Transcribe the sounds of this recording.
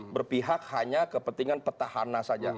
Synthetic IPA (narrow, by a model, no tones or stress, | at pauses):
bərpiɦakhaɲakəpənt̪iŋanpət̪ahanasad͡ʒa